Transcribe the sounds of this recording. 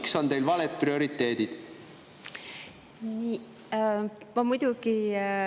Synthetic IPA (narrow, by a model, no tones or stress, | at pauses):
kso̞nt̪e̞jlvɑlet̪̚prio̞ɾit̪ːˑe̞ːd̪̥id̪̥ | niː | mɑmujd̪̥ʲuɡi